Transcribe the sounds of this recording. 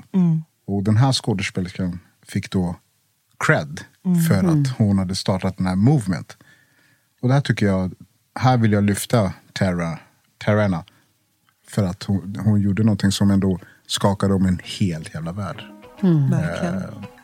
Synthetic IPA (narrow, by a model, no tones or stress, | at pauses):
ɔd̪ɛnɦæːʂkoːd̪əʂpeːlskən | fɪkːd̪ɔ | kʰɾɛd̪fœɾat̪hʊnhad̪ːəst̪ɑːʈat̪̚d̪ɛnhæːɾmuːvmɛ̰nt̪ | ɔd̪ɛhæːʈʰʏkːəjɑː | hæːɾvɪlːjɑːlʏft̪a | ɛɾa | t̪ʰɛɾaɳa | fœɾat̪hʊhʊnjuːɖːənɔnt̪ʰɪŋsɔmɛnd̪o | skɑːkad̪əɔmɛnheːlt̪ʰjæːvlavæ̰ːɖ